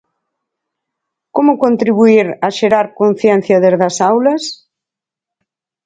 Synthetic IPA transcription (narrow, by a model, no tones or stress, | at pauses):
komʊkont̪ɾiβuiɾɐʃeɾaɾkon̟θjɛn̟θjɐðezðɐsawlɐs